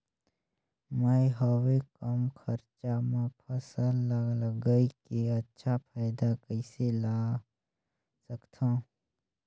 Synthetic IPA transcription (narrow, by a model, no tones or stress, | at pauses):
məjɦəwekəmkʰəɾt͡ʃamãpʰəsəlːəɡləɡəikiɐtːʃʰapʰaːɪd̪akəɪselaː | səkt̪ʰãː